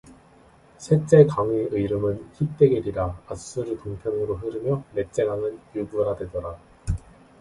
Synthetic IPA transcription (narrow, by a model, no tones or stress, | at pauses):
sʰe̞t͡ɕ͈e̞kaŋiʔɯiɾɯmɯnçip̚t͈e̞ɡeɾiɾaas͈ɯɾɯtoŋpʰjʌŋɯɾoɦɯɾɯmjʌne̞t͡ɕ͈e̞ɡaŋɯnjuɡuɾadwe̞dʌɾa